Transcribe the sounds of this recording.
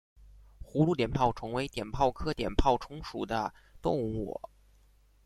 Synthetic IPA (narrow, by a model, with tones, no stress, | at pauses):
xu˧˥lu˥˩t̪jɛ˨˩npʰɑ˥˩ʊʈ͡ʂʰɤ˧˥ŋwe˧˥ɪt̪jɛ˨˩npʰɑ˥˩ʊkʰɤ˥t̪jɛ̰˨˩npʰɑ˥˩ʊʈ͡ʂʰʊ˧˥ŋʂṵ˨˩d̪ə˦ | t̪ʊ̰˥˧ŋṵ˨˥˨